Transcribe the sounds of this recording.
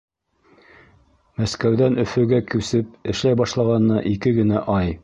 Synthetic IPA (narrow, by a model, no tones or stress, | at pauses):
mæskæwðænɵ̆fɘ̆ɡækɘ̆wsɘp̚ɘ̆ʃlæjbɑʃlˠɑʁɑnɤːɑʔikɘɡɘ̆næʔɑj